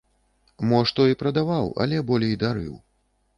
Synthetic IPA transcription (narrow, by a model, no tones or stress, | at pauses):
mɔʂt̪ɔipɾɐd̪avawɐ̰lʲɛbɔlʲɛjd̪aɾɨ̰w